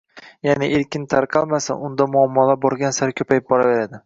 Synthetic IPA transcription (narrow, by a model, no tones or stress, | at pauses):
janɪʔeɾkʲɪnt̪ʰaɾqʰɑlˠmasa̰ʔʊnd̪amʊɒmːɒlabɒɾɡʲansaɾkʲʰɵpʰajɪp̚bɒɾave̞ɾad̪ɪ